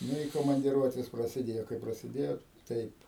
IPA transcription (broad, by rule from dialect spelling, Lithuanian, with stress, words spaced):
ˈnʊ ɪ koːmɐnʲdʲˈɪruɔtʲeːs prɐsʲɪˈdʲeːjoː kɐɪ prɐsʲɪˈdʲeːjoː ˈtɐɪp